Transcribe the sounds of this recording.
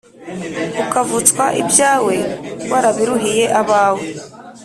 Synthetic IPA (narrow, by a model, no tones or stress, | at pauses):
ukavut͡skwaʔibjaːwe̞waɾaβiɾuɦije̞ʔaβaːwe